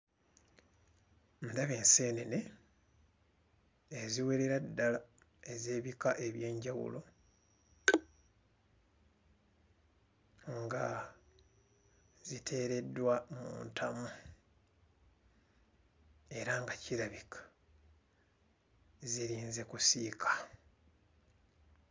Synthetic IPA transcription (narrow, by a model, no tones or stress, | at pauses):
ndaβe̞ːnse̞ːnene̞ | ziwe̞ɾeɾadːala | e̞ze̞ːβikaʔe̞βje̞ːɲɟawṵlo̞ | ŋɡa | zitʰe̞ːɾe̞dːwamṵːntʰamu | e̞ɾaŋɡaciɾaβikḁ | ziɾiːnze̞kusikʰḁ